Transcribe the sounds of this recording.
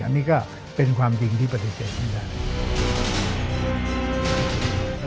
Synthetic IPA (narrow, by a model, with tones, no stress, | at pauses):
ʔa̰˧nːiː˦˥kɔː˥˩ | pe˧nkʰwaː˧mt͡ɕi˧ŋt̪ʰiː˥˩pa˧t̪ːi˨˧seː˨˩t̪̚kʰa˥˩ndaː˥˩